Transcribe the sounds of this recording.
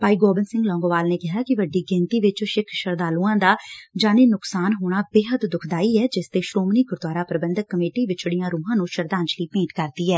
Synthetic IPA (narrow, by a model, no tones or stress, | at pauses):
paːiːɡoːbənsɪ̃ŋɡlɔːŋɡoːʋaːlneːkɪɦaːkɪʋəɖiːɡɪ̃nt̪iːʋɪt͡ʃʃɪkʰʃəɾd̪aːlũːãːd̪aːd͡ʒaːneːnʊksaːnɦoːɽ̃aːbeːɦət̪d̪ʊkʰd̪aːiːɛːd͡ʒɪst̪eːʃɾoːmniːɡʊɾd̪waːɾaːpɾəbənd̪əkːəmeːʈiːʋɪt͡ʃɽijãːɾuːɦãːnũːʃəɾd̪aːɲt͡ʃliːpẽːɳʈkəɾd̪iːɛː